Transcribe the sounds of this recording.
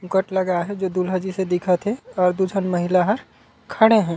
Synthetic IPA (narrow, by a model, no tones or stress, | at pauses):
ʊkəʈləɡaɦɛd͡ʒoːd̪ulɦəd͡ʒised̪ɪkʰət̪ɦɛɔːɾd̪ud͡ʒʱənməɦilaɦəɾ | kʰəɽeɦɛ̃ː